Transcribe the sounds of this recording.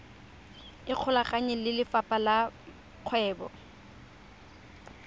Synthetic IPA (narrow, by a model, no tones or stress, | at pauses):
ɪq͡χʰʊlakʼaɲɛlɪlɪfapʼala | q͡χʰwɛːbɔ̰